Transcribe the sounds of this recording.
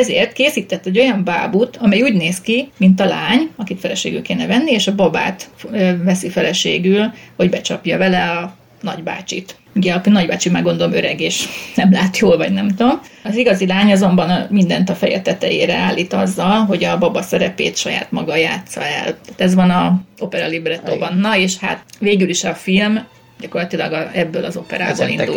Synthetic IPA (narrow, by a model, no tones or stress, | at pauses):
ɛzḛːrt̪keːsiːt̪ɛt̪ːɛɟːo̞jɒɱba̰ːbut̪ɒmɛjuːɟneːskimint̪ɒlaːɲɒkit̪fɛlɛʃḛːɡylkeːnɛvɛnːieːʃɒbɒba̰ːt̪øvɛsifɛlɛʃḛːɡylho̞ɟbɛt͡ʃɒpjɒvɛlɛɒ | nɒɟba̰ːt͡ʃḭt̪ | uɟɛɒknɒɟbaːt͡ʃimaːɡo̞nd̪o̞lo̞møɾɛɡeːʃnɛmlaːt̪joːlvɒɟnɛmt̪om | ɒziɡɒzilaːɲɒzo̞mbɒnmind̪ɛnt̪ɒfɛjɛ̰t̪ɛt̪ɛ̰jḛːɾɛaːlːiːt̪ɒzːɒlɦo̞ɟɒbɒbɒsɛɾɛpḛːt̪ʃɒja̰ːt̪mɒɡɒja̰ːt̪sɒ̰ɛ̰lt̪aːt̪ɛzʋɒnɒo̞pɛɾɒlibrɛt̪obɒnːɒeːʃha̰t̪veːɡyliʃɒfilm | ɟɒko̞rlɒt̪ilɒɡɒɛbːøːlɒzo̞pɛ̰ɾa̰ːbo̰lḭnṵ